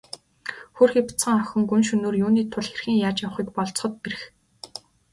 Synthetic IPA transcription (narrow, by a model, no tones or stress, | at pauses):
xurxipʰt͡sə̆ŋœxʲɪ̆ŋkɵnʃɵnoːrjuːniːt̪ʰʊɮxerxĭːŋjaːt͡ɕjaw̆χiːkpɔɮt͡sχɞ̆t̪̚peɾɘ̆x